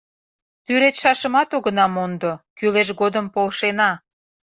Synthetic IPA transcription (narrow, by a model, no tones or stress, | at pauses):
t̪yɾet̪ʃɑʃəmɑt̪oɣənɑmond̪okyleʃ̬ɡod̪əmpolʃenɑ